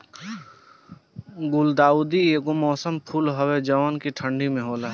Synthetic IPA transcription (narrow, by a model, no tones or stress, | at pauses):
ɡʊld̪aːuːd̪ieːkomɔːsəmpʰuːlɦɐwed͡ʒɐʋaːnkiʈʰə̃ɳɖimẽɦoːlaːɦ